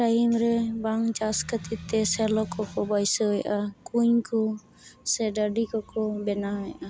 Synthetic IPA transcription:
ɾaimɾɛbaŋd͡ʒaskət̪it̪ːɛsɛlɔkɔkɔbajsɔɦɔjʔakuɲku | sɛɖəɖikɔkɔbɛnaɦɔjʔa

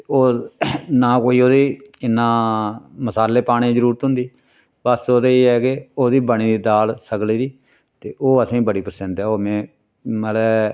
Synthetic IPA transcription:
oːnãːkoːiːoːd̪iːɪnːãːməsaːlːeːpaːɽ̃ẽːd͡ʒəɾuːɾət̪ɦʊ̃nd̪iː | bəsoːd̪eeːɛːkɪoːd̪iːbəɳ̃ĩːd̪iːd̪aːlsəkliːd̪iː | t̪eːʔoːəsãĩːbəɽiːpəɾsɛ̃nt̪ɦɛːoːmɛ̃ː | məlɛː

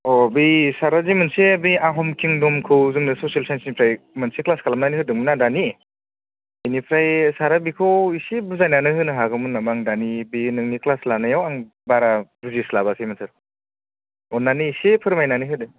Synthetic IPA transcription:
ɔbisaɾazimɯnsebiaɦɔmkʰiŋdɔmkʰɯwzɯŋnɯsɔsialsajnsinipʰɾajmɯnseklaskʰalamnaniɦɯdɯŋmɯnadani | inipʰɾajsaɾabikʰɯwisebuzajnanɯhɯnɯɦaɡɯmɯnamaŋdanibinɯŋniklaslanajawaŋ | baɾabuzislabasʰemɯnsʰaɾ | ɔnaniisepʰɯɾmajnanɯɦɯdɯ

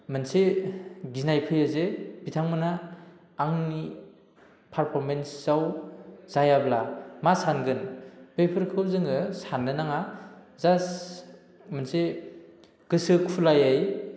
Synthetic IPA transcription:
mɯnseɡinajpʰɯjazebitʰaŋmɯnaː | ŋni | pʰaɾpʰɔɾmensz̥awz̥ajablamasanɡɯnbejpʰɯɾkʰɯwzɯŋɯsanːɯnaŋa | zas | mɯnse | ɡ̥ɯsɯkʰulajaj

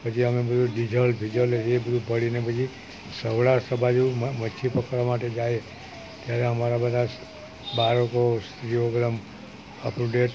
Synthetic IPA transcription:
pəd͡ʒʰiəmebəd̪ʱũɖid͡ʒʱəlbʱid͡ʒəleebəd̪ʱubʱəɭinebəd͡ʒi | səʋɭasəbʱad͡ʒumət͡ʃʰipəkɾamaʈed͡ʒae | t̪jaɾeɦəmaɾabəd̪ʱas | baɾəkost̪ɾioɡɾəm | əpɾuɖeʈ

